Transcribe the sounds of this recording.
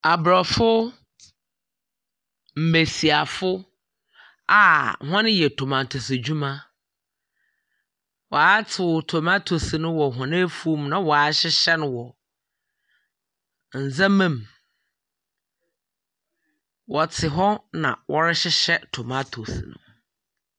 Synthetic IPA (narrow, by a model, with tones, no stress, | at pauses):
a˨bɾɔ˨fʊ˦ | m̩˨me˨si˨a˨fʊ˦ | a˨hɔ̃˦nɪ̃˦jɛ˨tʰʊ˨mã˨n̩˨tʰʊ˨se˨d͡ʑᶣu˦mã˦ | wɔ˨a˦tʰɪ˨tʰo˨ma˦tʰo˨snʊ̃˦wɔ˨ɦʊ̃˨nɪ̃˦fu˦mnã˨wɔ˨a˨˦ɕɪ˦ɕɛ˦nʊ̃˨wɔ˨ | n̩˨zã˦mã˦˨m | wɔ˨tʰɪ˨ɦɔ˦nã̰˨wʔɔ˦ɾɛ˦ɕɪ˦ɕɛ˦tʰʊ˨ma˦tʰo˨snʊ̰̃˨